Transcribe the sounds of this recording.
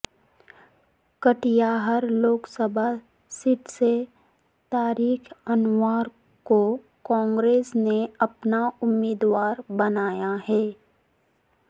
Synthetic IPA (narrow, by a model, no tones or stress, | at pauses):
kəʈijaɦəɾloːksəbʱa | sɪʈse | t̪aːɾiːkʰɐnʋaːɾ | ko | kɔ̃ːŋɡɾeːsneɐpnaʊmːeːd̪waːɾbɐnaːjaɦɛː